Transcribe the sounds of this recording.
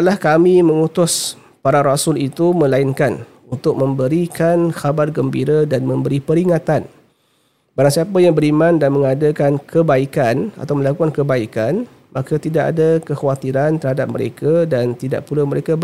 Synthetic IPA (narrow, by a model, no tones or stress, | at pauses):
ʔlahkamimə̃ŋut̪ʊs | paɾaɾasʊlit̪umə̃lainkan | unt̪ʊk̚mə̃mbəɾikʰanxabarɡəmbḭɾadanmə̃mbəɾipəɾiŋat̪an | baɾaŋsiapajaŋbəɾimãndanmə̃ŋadakankʰəbaikana̰t̪awmə̃lakukankəbaikan | makat̪idaʔa̰dakəxawat̪iɾant̪əɾhadap̚mə̰ɾḛkadant̪ida̰ʔpulaməɾekab